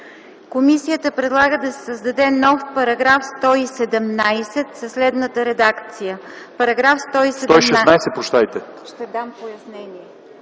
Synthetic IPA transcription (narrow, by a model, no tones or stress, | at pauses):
komisijət̪əpɾɛd̪lˠaɡəd̪ɐsɛ̥səzd̪ɐd̪ɛnɔfpɐɾɐɡɾafst̪ɔisɛd̪ɛmnajsɛt̪sɐslɛd̪nət̪əɾɛd̪akt̪sijəpɐɾɐɡɾafst̪ɔisɛɔjʃɛnajsɛt̪̚pɾot͡ʃt̪ajt̪ɛʃt̪ɛd̪ampojɐsnɛniɛ